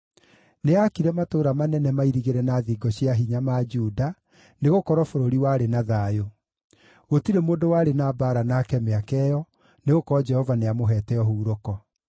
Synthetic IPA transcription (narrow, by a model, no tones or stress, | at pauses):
neakiɾɛmatoːɾamanɛnɛmaiɾiɣeɾɛnaðiɡɔɕiaɦiɲamaːd͡ʒuːda | neɣokɔɾɔfoɾoɾiwaːɾenaðaːjo | ɣotiɾemoːdowaːɾenabaɾanaːkɛmeakɛjɔ | neɣokɔɾɔd͡ʒɛhɔvaneamoɦɛːtɛɔɦuːɾokɔ